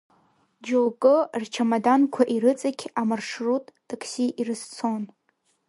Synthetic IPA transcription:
d͡ʒokʼɨrt͡ʃʰamadankʷʰaʔiɾɨt͡sʼakʲʰamarʂrutʼtʼakʰsiʔirɨst͡sʰo̞n

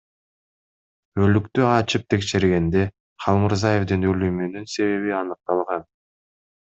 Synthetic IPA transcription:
ø̞lykt̪yɑt͡ʃɯp̚t̪ʰe̞kʃe̞ɾɡe̞nd̪e̞ | χɑlˠmuɾzaje̞vd̪ɯnølymynynse̞βe̞βiɑnɯq̚t̪ɑlˠʁɑn

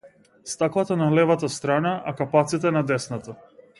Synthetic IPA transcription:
st̪aklˠat̪analɛvat̪ast̪ɾanaʔakapat̪sit̪ɛnad̪ɛsnat̪a

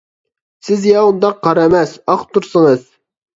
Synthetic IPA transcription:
sɪzjɑund̪ɑqʰːɑɾɛmɛsɑχt̪ʰːuɾsəŋəz̥

